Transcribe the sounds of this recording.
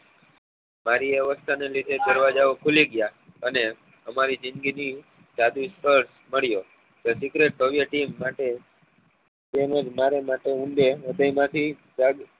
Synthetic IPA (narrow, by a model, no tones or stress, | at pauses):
maɾiʋeʋəst̪ʰanelid̪ʱed̪əɾʋad͡ʒaokʰuliɡja | əne | əmaɾid͡ʒɪnɡini | d͡ʒad̪uspəɾs | məɭjo | t̪osɪkɾeʈːoʋiəʈimːaʈe | t̪eməd͡ʒmaɾemaʈeũɳɖ̪eəd̪əjmãt̪ʰi | d͡ʒaɡ